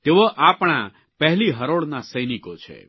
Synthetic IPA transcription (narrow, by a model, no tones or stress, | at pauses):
t̪eʋoʔapɽ̃a | pəɦliɦəɾoɽnasəjnikot͡ʃʰḛ